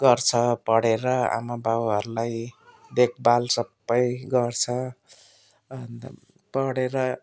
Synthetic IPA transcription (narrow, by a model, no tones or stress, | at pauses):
ɡʌrt͡sʰʌpʌɽeɾʌa̰mabawɦʌɾulaj | d̪ek̚ʰbalsʌpːʌjɡʌrt͡sʰʌ | ʌn | pʌɽeɾʌ